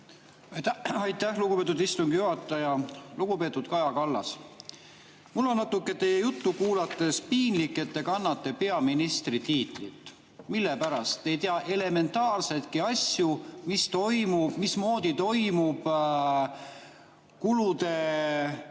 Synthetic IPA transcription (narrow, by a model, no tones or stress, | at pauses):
ɑjt̪ːæhluɡupe̞ːt̪ud̪ist̪uŋɡ̥juɦɑt̪ːˑɑjɑluɡ̥upe̞ːt̪ˑud̪̥kɑjɑkɑlːɑ̰s | mulːo̞nnɑt̪ːukːˑet̪e̞jejut̪ːukuːlɑt̪ːˑe̞spiːnlikːˑe̞t̪ːe̞kɑnːɑt̪ːe̞pe̞ɑminist̪rit̪iːt̪ˑlḭt̪ːˑ | milːe̞pæɾɑst̪ːe̞jt̪eɑʔe̞le̞me̞nt̪ːˑɑːrse̞t̪kiɑsjumist̪o̞jmub̥mismo̞ːd̪̥ʲit̪o̞jmub̥ | kulut̪e̞